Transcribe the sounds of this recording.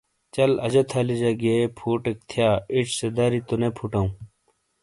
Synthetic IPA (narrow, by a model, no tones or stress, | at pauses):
t͡ɕɐlɐd͡ʑɐt̪ʰaːlid͡ʑɐɡepʰuːʈek̚t̪ʰjaːiʈ͡ʂʰsed̪aːɾit̪unepʰuʈɐũ